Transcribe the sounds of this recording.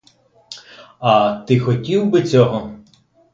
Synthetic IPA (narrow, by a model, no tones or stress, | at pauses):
ɐt̪ɪxɔtʲiwbɪt͡sʲɔɦɔ